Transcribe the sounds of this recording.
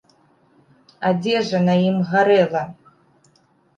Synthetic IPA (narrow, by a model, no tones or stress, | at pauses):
ad͡zʲɛʐɐnajimɣaɾɛlˠɐ